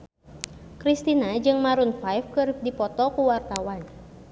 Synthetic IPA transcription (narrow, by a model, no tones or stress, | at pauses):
kɾist̪inad͡ʒɨŋmaɾunfajfkɨrdipɔt̪ɔkuwart̪awan